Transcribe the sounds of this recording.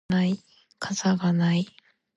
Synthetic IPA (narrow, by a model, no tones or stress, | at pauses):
ai | kʰazaɡanai